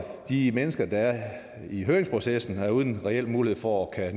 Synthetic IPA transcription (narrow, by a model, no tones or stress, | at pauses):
d̥imenəsɡ̥ɐd̥ɑ̈æɐ | iɦøːeŋspʰʁo̝sesn̩æɐuːð̞ˠn̩ʁɛel̰muːlihe̝̰fɒkʰæn